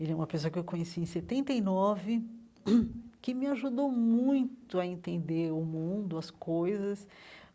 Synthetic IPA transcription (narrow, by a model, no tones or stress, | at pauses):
ɛlɛũmɐpesoɐkɪewkõɲesiẽj̃set̪ẽnt̪eijnɔvɪ | kɪmɪaʒud̪omũj̃t̪ʊɐẽnt̪ẽnd̪eɾʊmũd̪ʊɐskojzɐs